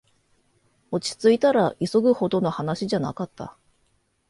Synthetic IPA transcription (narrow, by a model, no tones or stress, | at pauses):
o̞t͡ɕi̥t͡sɨit̪aɾaʔiso̞ɡɯ̟ho̞d̪o̞no̞hanaɕiʑana̰kat̪ːa̰